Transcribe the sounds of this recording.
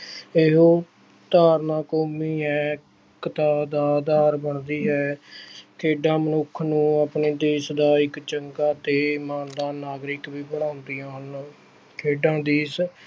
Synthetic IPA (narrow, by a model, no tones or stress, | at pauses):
eɦoː | t̪aːɾnãːkoːmiːɦɛː | kət̪aːd̪aːd̪aːɾbəɳd̪iːɦɛːkʰeːɖãːmənʊkʰnũːapneːd̪eːsd̪aːɪkt͡ʃəŋkaːt̪eːmaːnd̪ãːnaːɡɾɪkʋiːbəɽãːnd̪iːãːn | kʰeːɖãːd̪eːs